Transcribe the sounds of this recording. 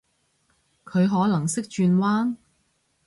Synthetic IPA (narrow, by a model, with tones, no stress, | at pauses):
kʰɵ˨˧ɥɦɔː˨˥lɐ˨˩ŋsɪ˥k̚t͡ʃyː˧nwaː˥n